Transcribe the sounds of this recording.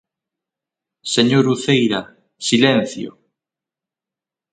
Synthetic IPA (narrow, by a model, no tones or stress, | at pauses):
seɲoɾuθejɾa | silen̟θjo̰